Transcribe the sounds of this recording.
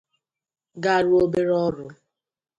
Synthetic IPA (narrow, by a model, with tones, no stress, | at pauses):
ɡa˦˨ɾʊ˦o˦be˦ɾɔ˦ɾʊ˨